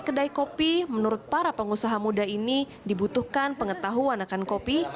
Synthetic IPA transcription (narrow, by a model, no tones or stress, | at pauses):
kədaikopimənuɾʊt̪̚paɾapəŋusaɦamudaini | dibut̪uhkanpəŋət̪aɦuanakankopi